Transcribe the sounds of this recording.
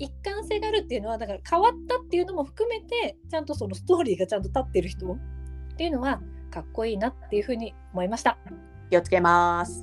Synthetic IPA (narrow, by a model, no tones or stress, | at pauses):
ikːãɰ̃se̞ːɡaːɾɯ̟t̪ːe̞iɯ̟no̞βanaŋkakʰaβat̪ːat̪ːe̞jɯ̟no̞mo̞ɸɯ̟̥kɯ̟me̞t̪e̞t͡ɕãnt̪o̞so̞no̞sɨ̥t̪o̞ːɾʲiːɡat͡ɕãnt̪o̞t̪at̪ːe̞ɾɯ̟çi̥t̪o̞t̪ːe̞jɯ̟no̞βakakːo̞iːnat̪ːe̞jɯ̟ɸɯ̟ːɲ̟i | o̞mo̞imaɕi̥t̪a | kʲio̞t͡sɨ̥ke̞masɨ̥